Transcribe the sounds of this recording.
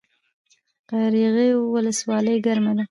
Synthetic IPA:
qaɾiɣejwʊləswɑləjɡaɾmana

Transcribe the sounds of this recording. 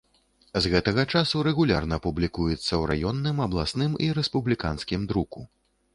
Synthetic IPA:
zɣɛt̪ɐɣɐt͡ʂasuɾɛɣulʲarnɐːpublʲikujɛt̪sːɐwɾa̰jɔnːɨmɐblˠasnɨmiɾɛspublʲikanskʲimd̪ɾuku

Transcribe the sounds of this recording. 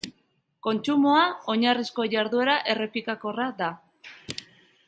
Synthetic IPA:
ko̞nt͡ʃumoao̞ɲarisko̞ʝaɾðue̞ɾaʔe̞re̞pikako̞rad̪a

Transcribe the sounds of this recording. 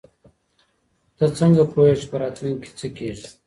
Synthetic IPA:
t̪ət͡səŋɡapʰoet͡ʃpəɾat̪mike̥t͡səkeʐi

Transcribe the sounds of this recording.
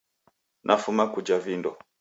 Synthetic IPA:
nʔafumakud͡ʒavindɔ

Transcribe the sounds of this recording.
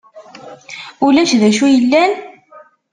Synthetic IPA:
ʊlæʃðæʃujəlːæn

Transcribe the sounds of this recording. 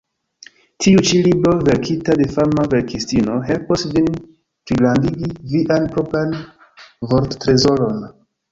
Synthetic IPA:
tʰiut͡ʃilibɾo̞ve̞ɾkʰitade̞faɾmave̞ɾkʰistino̞ɦelposvin | pɾiɡlandiɡiviʔanpɾopɾan | voɾttɾe̞zo̞ɾon

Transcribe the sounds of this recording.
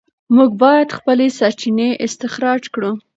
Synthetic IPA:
muɡ̚bɑjad̪xpəlesaɾt͡ʃineʔɪst̪ɪxɾɑd͡ʒkɽu

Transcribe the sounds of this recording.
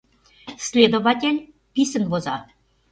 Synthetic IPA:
sʲlʲed̪oβɑtʲelʲ | pʲisə̆nβozɑ

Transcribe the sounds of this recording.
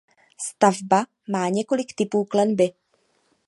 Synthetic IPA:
st̪avba | maːɲɛko̞lɪkt̪ɪpuːklɛnbɪ

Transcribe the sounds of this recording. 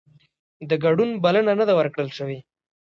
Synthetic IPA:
d̪əɡaɖunbalənanəd̪awəɾkɽəlʃəwi

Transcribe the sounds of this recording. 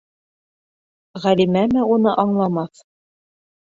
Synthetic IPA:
ʁælimæmɘunɤʔɑɴlˠɑmɑθ

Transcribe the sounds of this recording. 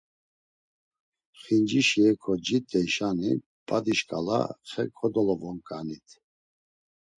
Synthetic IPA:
χind͡ʒiʃiɛkʰɔd͡ʒit̪ʼɛjʃani | pʼad̪iʃkʼala̰χɛkʰɔd̪ɔlɔvɔŋkʼanit̪ʰ

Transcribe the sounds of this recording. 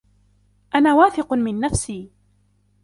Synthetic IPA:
ʔanaːwaːθɪqʊmɪnːafsiː

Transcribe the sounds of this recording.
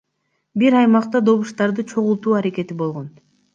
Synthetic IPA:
biɾɑjmɑqt̪ɑd̪o̞βuʃt̪ɑɾd̪ɯt͡ʃʰo̞ʁulˠt̪uːɑɾe̞ke̞t̪ibo̞lˠʁo̞n

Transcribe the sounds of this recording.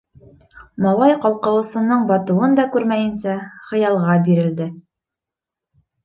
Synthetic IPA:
mɑlˠɑjqɑlˠqɤ̆wɤ̆sɤ̆nːɤɴbɑt̪ɤ̆wɤnd̪ɑkʉɾmæjɘ̆nsæχɤ̆jɑlˠʁɑbiɾɘ̆ld̪ɘ

